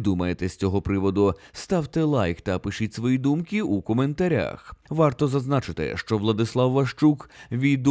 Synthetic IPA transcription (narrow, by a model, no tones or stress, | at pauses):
d̪umɐjet̪ɛsʲt͡sʲɔɦɔpɾɪʋɔd̪ʊ | st̪ɑwt̪ɪlˠajkt̪ɐpɪʃɪtʲsʋɔjid̪umkʲɪukɔme̞nt̪ɐɾʲa̰xʋɑrt̪ɔzɐznat͡ʃɪt̪ɪ̰ʃt͡ʃɔʋlˠɐd̪ɪslˠɑwːɐʃt͡ʃukʋʲid̪